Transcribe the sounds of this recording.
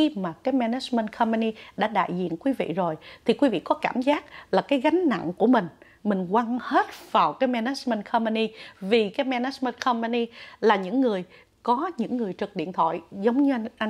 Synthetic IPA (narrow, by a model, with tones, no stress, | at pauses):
xi˧maː˨˩kaː˨˦jmɛ˧nɛ˦˥t͡ɕmə˧ntkʰɔ˧mpa˧ni˧ɗa̰ː˧˥ɗa̰ː˧˨jzḭ˧˨ənkwi˨˦vḭ˧˨zo˨˩jt̪ʰi˨˩kwi˨˦vḭ˧˨kɔ˨˦kaː˧˩mzaː˦˥k̚laː˨˩kaː˨˦jɣa˨˦ŋ̟na̰˧˨ŋku˧˩əmï˨˩ŋ̟ | mï˨˩ŋ̟kwa˧ŋhe˦˥t̚v̥aː˨˩wkaː˨˦jmɛ˧nɛ˦˥t͡ɕmə˧ntkʰɔ˧mpə˧ni˧vi˨˩kaː˨˦jmɛ˧nɛ˨˦˥t͡ɕmə˧nkʰɔ˧mpa˧ni˧laː˨˩ɲɨ̰˧˥ŋːɨ˨˩əj | kɔ˨˦ɲɨ̰˧˥ŋːɨ˨˩əjt͡ɕɨ˨˩k̚ɗḭ˧˨ənt̪ʰwɔ̰˧˨jzə˨˦wŋ͡mɲɨ˧ʔ